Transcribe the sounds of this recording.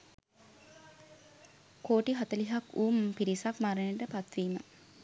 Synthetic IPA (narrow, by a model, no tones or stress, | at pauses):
koːʈiɦat̪əliɦakuːmpiɾisakmaɾəneʈəpat̪ʋiːmə